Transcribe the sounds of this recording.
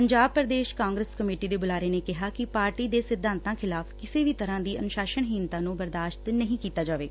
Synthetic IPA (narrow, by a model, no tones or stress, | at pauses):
pəɲd͡ʒaːb̚pəɾd̪eːʃkaːŋɡɾəskəmeːʈiːd̪eːbʊlaːɾeːneːkɪɦaːkɪpaːɾʈiːd̪eːsɪd̪ʱːãːnt̪ãːkʰɪlaːfkɪseːʋiːt̪əɾãːd̪iːʔənʊʃaːʃəɳɦiːnt̪ãːnũːbəɾd̪aːʃt̪nəɦĩːkiːt̪aːd͡ʒaːʋeː